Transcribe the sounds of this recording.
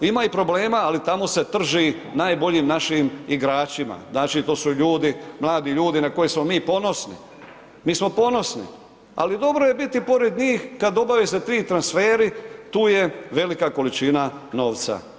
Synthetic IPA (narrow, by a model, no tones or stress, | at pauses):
imaipɾo̞ble̞ːmaːlit̪amo̞se̞t̪r̩ʒi | naːjbo̞ʎiːmnaʃiːmiɡɾaːt͡ʃima̰znaːt͡ʃiːt̪o̞ːsuʎuːd̪imlˠaːd̪iʎuːd̪inako̞jesmo̞miːpo̞no̞snḭ | miːsmo̞po̞no̞snḭ | a̰lid̪o̞bɾo̞je̞bit̪ipo̞ɾed̪ɲiːxkad̪o̞baʋeset̪ɾiːt̪ɾansfeːɾit̪uːje̞ʋe̞likako̞lit͡ʃinano̞ːʋt̪sa̰